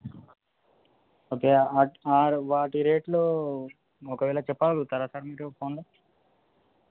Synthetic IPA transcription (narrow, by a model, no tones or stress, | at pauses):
oːkeːaaːɾʋaːʈiɾeːʈloː | ɔkɐʋɛːlɐt͡ʃɛpːaːlut̪ɐɾasaːɾmiːʈopʰoːnlo